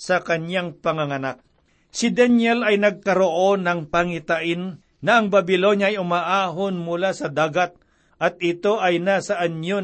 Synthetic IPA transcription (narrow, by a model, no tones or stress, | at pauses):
sɐkɐɲjaŋpɐŋɐŋɐnak̚ | sɪd̪ɛnjɛlɐjnɐɡ̚kɐɾoʔo̞nɐŋpɐŋɪt̪aʔɪnː | ɐʔɐŋbɐbɪlo̞njaɐʔɐjʊmaʔaːɦonmʊlasɐd̪aːɡɐt̪̚ | ʔɐt̪̚ɪt̪o̞ʔɐjnasɐʔɐnjo